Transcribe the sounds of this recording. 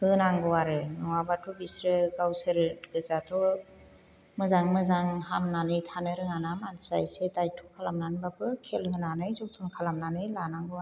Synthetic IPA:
hɯnaŋɡɯwaɾɯnɔwabatʰubisɾɯɡawsɯɾɡɯzatʰɔ | mɯzaŋmɯzaŋhamnanɯjtʰanɯɾɯŋanamansa̰jsetajtʰɔkʰalamnanbapʰɯkʰelhɯnanɯjzɔk̚tʰɔnkʰalamnanɯjlanaŋɡɯwa

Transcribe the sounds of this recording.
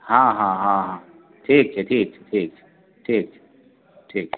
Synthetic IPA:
ɦãːɦãɦãːɦãː | ʈʰiːk̚t͡ʃʰɛʈʰiːk̚t͡ʃʰɛʈʰiːk̚t͡ʃʰɛ̥ | ʈʰiːk̚t͡ʃʰɛ̥ | ʈʰiːk̚ʰɛ

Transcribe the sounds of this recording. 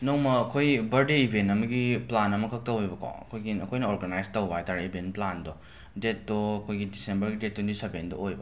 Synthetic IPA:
nowmɐːkʰojbɐɾdeibʱentɐmɐɡiplanɐmɐkʰɐk̚tɐwojbɐkʰo̰ɐ̰kʰojɡiɐkʰojnɐoɾɡanajstɐwbajtaɾibʱentplandɔ | det̚doɐkʰojɡidisembɐɾɡidet̚ʰːwendisebendo̰ojbɐ

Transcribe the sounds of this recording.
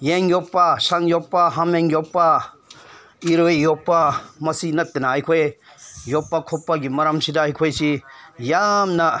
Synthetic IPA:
jeŋjɔpːasaŋjɔpːaɦameŋjɔpːa | iɾojjɔpːamɐsinɐt̪ːenaajkʰoj | jɔpːakʰɔpːaɡimɐɾamsidaajkʰɔjsijamnɐ

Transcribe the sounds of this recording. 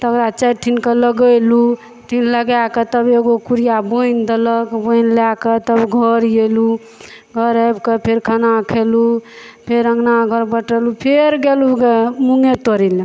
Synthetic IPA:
t̪əkɾat͡ʃəʈʰinkələɡəlu | ʈʰinləɡaket̪əbeɡokuɾijabojnd̪ələkbonlaket̪əbɡʱəɾjelu | ɡʱəɾəbkəpʰeɾkʰanakʰelu | pʰeɾəŋɡnaɡʱəɾbəʈəlupʰeɾɡeluɡemuŋet̪oɾile

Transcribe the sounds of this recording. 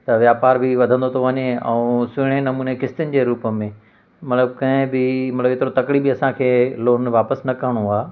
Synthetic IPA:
t̪ɐʋjaːpaːɾbɪʋɐd̪ʱə̃nd̪ot̪ʰoʋɐɲeɛ̰̃ũsʊɪɽ̃enɐmuːnekɪst̪ɪʊnɪ̆d͡ʑeːɾuːpəmẽ | mɐt̪ləb̚kɐ̃ɦɪ̃bɪmɐt̪ləbɪt̪ɪɾot̪ɐkɽibɪɐsãkʰeːloːnʋaːpəsnɐkɐɦɽ̃oaː

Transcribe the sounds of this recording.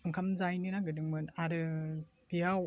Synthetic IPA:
ɯŋkʰamzajnɯnaɡɯdɯŋmɯnaɾɯ | biaw

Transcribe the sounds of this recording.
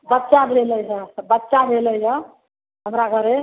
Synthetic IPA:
bətːʃabʱeləjɦəbətːʃabʱeləjɦə | ɦəmɾaɡəɾe

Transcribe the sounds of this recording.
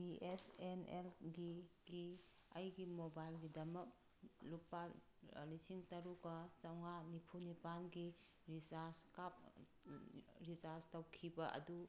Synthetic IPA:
biʔesenelɡiɡiɐjɡimobajlɡidɐmɐk̚ | lupːa | lisiŋtɐɾuɡɐt͡ʃawŋanipʰunipanɡi | ɾisaɾskap̚ | ɾisaɾstɐwkʰibɐʔɐ̰du

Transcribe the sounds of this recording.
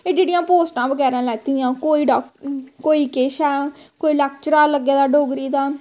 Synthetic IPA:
eːd͡ʒeːɽijãːpoːsʈãːbəɡɛːɾãːlɛːt̪iːãːkoːiːɖɔːkoːiːkeːʃɛːkoːiːlɛːkt͡ʃəɾaːləɡeːd̪aːɖoːɡɾiːd̪aː

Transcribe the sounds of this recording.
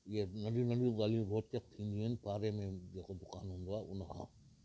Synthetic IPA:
jenɐɽinɐɽizaːliɾoːt͡ʃkɐk̚t̪ʰĩːnd̪iɦənpaːɾemẽd͡ʒeːkod̪ʊkaːnɦũːnd̪oaːʔʊnɦã̰ː

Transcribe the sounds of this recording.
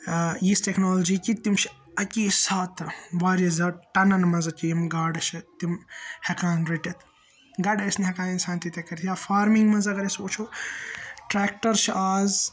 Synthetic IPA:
jisʈeknoːlɐd͡ʒiːkit̪imt͡ʃʰi | ɐkʲiːsaːt̪ɾʋaːɾɐzɐʈɐnɐnmɐzɐt̪ʲijimɡaːɖʃit̪imhɐkaːnɾiʈit̪ʰ | ɡɐɖɐsniɦɐkaːninsaːnt̪it̪ɐkɐɾʲt̪ʰjaːfaːɾmiŋɡmɐnzɐɡɐɾesouːt͡ʃʰoː | ʈɾeːk̚ʈɐɾʃʰiʔaːz

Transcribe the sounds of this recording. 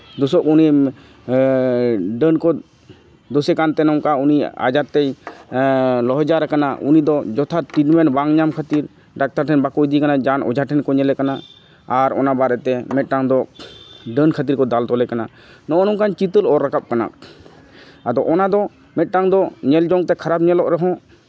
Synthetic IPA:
d̪ɔsɔʔuni | ɖənkɔ | d̪osɛkant̪ɛnɔŋkaunia̰d͡ʒaɾt̪ɛj | lɔɦɔd͡ʒaɾɛkana̰ʔunid̪ɔd͡ʒɔt̪ʰat̪idmɛnbaŋɲamkʰat̪iɾ | ɖak̚t̪aɾʈʰɛnbakojd̪ikanad͡ʒanɔ̰d͡ʒʱaʈʰɛnkɔɲɛlɛkana | aɾɔ̰nabaɾɛt̪ɛmɛt̪̚ˀʈaŋd̪ɔ | ɖənkʰat̪iɾkɔd̪alt̪ɔlɛkana | nɔʔɔnɔŋkant͡ʃit̪əlɔɾːakap̚kana̰k | ad̪ɔʔɔnad̪ɔ | mɛt̪̚ˀʈaŋd̪ɔɲɛld͡ʒɔŋt̪ɛkʰaɾab̚ɲɛlɔʔɾɛɦɔ̃

